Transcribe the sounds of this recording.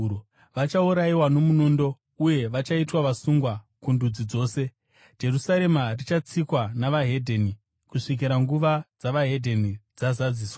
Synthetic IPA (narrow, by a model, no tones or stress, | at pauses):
ʋat͡ʃauɾaiwano̞munondo̞ | uje̞ʋat͡ʃaitwaʋasuŋɡwa | kundud͡zid͡zo̞ːse̞ | d͡ʒe̞rusaɾe̞marit͡ʃat͡sikwanaʋaɦe̞dʱeni | kuʂik̬iɾaŋɡuʋad͡zaʋaɦe̞dʱe̞nid͡zazad͡ziːswa